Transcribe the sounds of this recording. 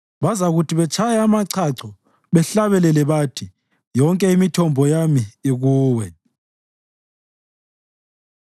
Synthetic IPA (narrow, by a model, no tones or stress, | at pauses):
βazaɣutʰiβɛt͡ʃʰajaamaǀʰaǀɔ | βɛɬaβɛlɛlɛβatʰi | jɔŋkʼɛimitʰɔmbʱɔjamiːɣuːwɛ